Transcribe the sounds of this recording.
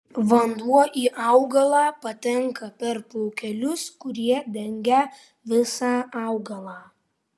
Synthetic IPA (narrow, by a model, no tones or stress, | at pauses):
ʋɐnd̪uɔʔiːʔɑʊɡɐlˠɑːpɐt̪ʲɛŋkɐpʲɛɾpɔʊkʲɛlʲʊskʊɾʲiɛd̪ʲɛŋʲɡʲɛ | ʋʲɪsɑːɑʊɡɐlˠɑː